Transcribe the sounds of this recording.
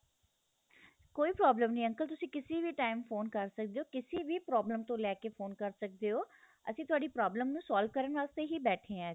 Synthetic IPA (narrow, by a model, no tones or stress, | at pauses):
koːiːpɾɔːbləmnĩːə̃ŋkəlt̪ʊsĩːkɪsiːʋiːʈaːɪmfʰoːnkəɾsək̚d̪eːoːkɪsiːʋiːpɾɔːbləmt̪õːlɛːkeːfʰoːnkəɾsək̚d̪eːɦoː | əsĩːt̪ʊaːɖiːpɾɔːbləmnũːsaːlʋ̚kəɾənʋaːst̪eːɦiːbɛːʈʰẽːɛ̃ː